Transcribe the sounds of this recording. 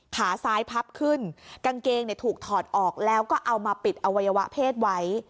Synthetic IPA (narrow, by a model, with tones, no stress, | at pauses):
kʰaː˩˦saː˦˥jpʰa˦˥p̚kʰɯ˥˩nka˧ŋkeː˧ŋni˥˩ət̪ʰuː˨˩k̚t̪ʰɔː˨˩t̪̚ʔɔː˨˩k̚lɛː˦˥wkɔː˥˩ʔa˧wmaː˧pi˨˩t̪̚ʔa˧wa˧jːa˧wa˦˥ʔpʰeː˥˩t̪̚wa˦˥j